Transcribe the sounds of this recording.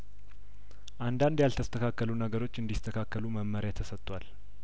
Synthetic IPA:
ʔand̪and̪jalt̪ʰəst̪ʰəkʰakːəlunəɡəɾo̞t͡ʃːɨnd̪ist̪ʰəkʰakːəluməmmːəɾjat̪ʰːəsət̪ʼːwal

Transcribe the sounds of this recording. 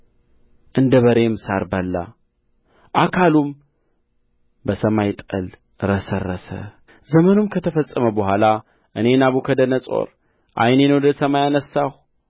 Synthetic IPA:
ʔɨnd̪əβəɾe̞msaɾbəlːa̰ | ʔakʰalum | bəsəmajt̪ʼəl | ɾəsərːəsə̰ | zəmənumkʰət̪ʰəfəsʼəməbəhʷala | ʔɨne̞naβukʰəd̪ənəsʼo̞̰ɾ | ʔa̰jnenəwd̪əsəmajanəsːah

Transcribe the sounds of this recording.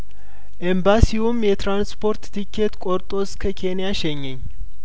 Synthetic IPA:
ʔembasiwumjɛt̪ɾanspʰo̞ɾt̪t̪ʰikʰːet̪kʼoɾt̪ʼo̞skʰəkʰe̞nijaʃɛɲːɛɲː

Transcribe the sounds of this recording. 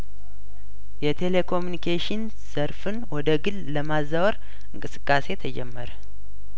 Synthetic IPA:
jɛt̪ʰe̞lekʰo̞munikʰeʃɪn | səɾfɨnwɔd̪əɡɨlləmazːawɾ | ɨŋkʼɨsɨ̥kʼːase̞t̪ʰəd͡ʒɛmːəɾə

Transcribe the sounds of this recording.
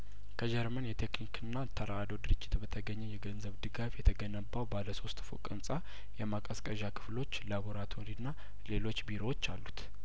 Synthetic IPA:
kʰəd͡ʒɛɾmənjɛt̪ʰe̞knikʰɨnːat̪ʰəɾaad̪o̞d̪ɨɾɨd͡ʒːɪt̪bət̪ʰəɡəɲːɛjɛɡənzəβd̪ɨɡafjɛt̪ʰəɡənəbːawbaləso̞st̪ʼfṵkʼɨnsʼa | jɛmakʼəskʼəʒakʰɨ̥flo̞t͡ʃːlaβoɾat̪ʰoɾinːa | le̞lo̞t͡ʃːbiɾo̞wot͡ʃːalːut̪

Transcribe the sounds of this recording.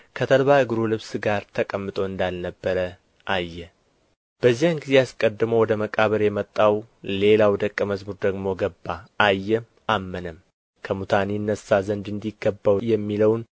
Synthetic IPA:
kʰət̪ʰəlβaɨɡɾulɨβsɡaɾt̪ʰəkʼəmːɨt̪ʼo̞ɨnd̪alnəbːəɾə | ʔajːɛ | b̥əzːijanɡize̞askʼəd̪ːɨməwɔd̪əməkʼaβəɾjɛmət̪ʼːaw | le̞lawd̪əkʼːəməzbuɾd̪əɡmo̞ɡəbːaajːɛ | ʔamːənəm | kʰəmut̪ʰaninːəsazənd̪ɨnd̪iɡːəbːawjɛmːiləwn

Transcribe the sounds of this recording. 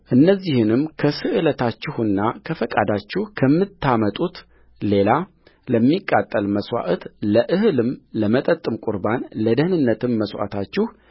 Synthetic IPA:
ʔɨnːəzːihɨnɨmkʰəsɨʔɨlət̪ʰat͡ʃːɪhɨnːakʰəfəkʼa̰d̪at͡ʃːɪhkʰəmːɨt̪ʰːamət̪ʼut̪ | le̞la | ləmːikʼːat̪ʼːəlməswa̰ʔt̪ləʔɨɦɨlɨmləmət̪ʼət̪ʼːɨmkʼʊɾbanləd̪əhnɨnːət̪ʰɨmːəswa̰t̪ʰat͡ʃːɪh

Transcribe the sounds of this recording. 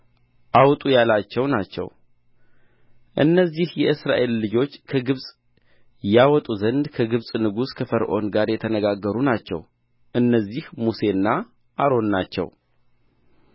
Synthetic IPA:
ʔawt̪ʼujalat͡ʃːɛwnat͡ʃːɛ̰w | ʔɨnːəzːihjɛʔɨsɾaʔe̞lːɨd͡ʒo̞t͡ʃːkʰəɡɨβsʼ | jawɔt̪ʼuzənd̪kʰəɡɨβsʼnɨɡuskʰəfəɾʔo̞̰nɡaɾjɛt̪ʰənəɡaɡːəɾunat͡ʃːɛ̰w | ʔɨnːəzːihmuse̞nːa | ʔaɾo̞nːat͡ʃːɛ̰w

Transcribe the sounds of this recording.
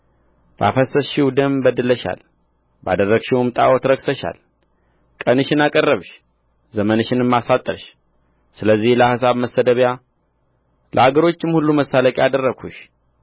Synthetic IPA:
b̥ʔa̰fəsəsʃɪwd̪əmbəd̪ɨləʃa̰l | ba̰d̪ərːəɡʃiwɨmt̪ʼa̰wot̪ɾəksəʃa̰l | kʼənɨʃɪnakʼərːəβʃ | zəmənʃɪnɨmːasat̪ʼːəɾʃ | sɨləzːihləhasaβməsːəd̪əβja | lʔə̰aɡəɾo̞t͡ʃːɪmhulːuməsːaləkʼjad̪ərːəɡʰuʃ

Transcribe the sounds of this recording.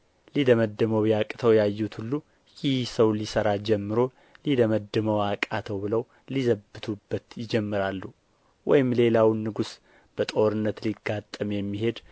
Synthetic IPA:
lid̪əməd̪ːɨməwjakʼt̪ʰəwjajːut̪hulːu | jɪhsəwlisəɾad͡ʒɛmːɨɾo̞ | lid̪əməd̪ːɨməwakʼat̪ʰəwbɨləw | lizəbːɨt̪ʰubːət̪jɪd͡ʒɛmːɨɾalːu | wɔjɪmle̞lawnːɨɡus | b̥ət̪ʼo̞ɾɨnːət̪liɡat̪ʼːəmjɛmːiɦe̞d̪

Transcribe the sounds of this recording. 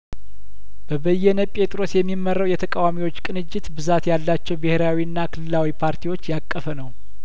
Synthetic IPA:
b̥əbəjːɛnəpʼe̞t̪ʼɾo̞sjɛmːimːərːəwjɛt̪ʰəkʼawamiwo̞t͡ʃːkʼɨnɨd͡ʒːɪt̪bɨzat̪jalːat͡ʃːɛwbɨheɾawiɨnːakʰɨlɨlawipʰaɾt̪ʰiwo̞t͡ʃːjakʼːəfənəw

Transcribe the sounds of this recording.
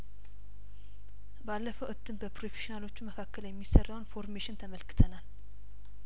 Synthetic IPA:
balːəfəwʔɨt̪ʰːɨmbəpɾofeʃinalo̞t͡ʃːuməkʰakːəljɛmːisərːəwnfo̞ɾmeʃɪnt̪ʰəməlkʰɨ̥t̪ʰənal

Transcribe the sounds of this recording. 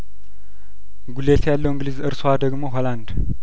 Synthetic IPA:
ɡulet̪jalːəwɨŋɡlizɨɾsowad̪əɡmo̞ɦoland̪

